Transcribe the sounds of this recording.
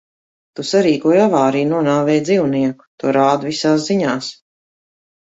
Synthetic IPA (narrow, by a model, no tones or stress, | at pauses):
t̪usaɾiːkuɔjavaːɾiːnuɔnaːvɛːjd̪ziːwniɛku̥t̪uɔɾaːd̪visaːs̬ziɲaːs